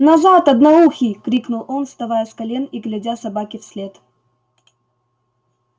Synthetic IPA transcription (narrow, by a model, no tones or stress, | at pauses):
nɐzat̪ɐd̪nɐuxʲɪkɾʲiknʊlˠonst̪ɐvajəskɐlʲeniɡlʲadʲasɐbakʲɪfsʲlʲet̪